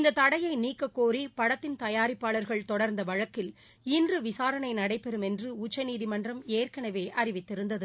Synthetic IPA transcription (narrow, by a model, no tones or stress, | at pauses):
ɪnd̪ɐt̪ɐɽɐjɐɪniːkːɐkːoːɾipɐɽɐt̪ːɪnt̪ɐjaːɾɪpːaːɭɐɾɣɐɭt̪ɔɽɐɾnd̪ɐʋɐɻɐkːɪl | ɪndrɯʋɪsaːɾɐɳɐɪnɐɽɐɪpːɛɾɯmɛndrɯʊt͡ʃːɐniːðimɐndrɐmeːrkɐɳɐʋeːʔɐɾɪʋɪt̪ːɪɾɯnd̪ɐðɯ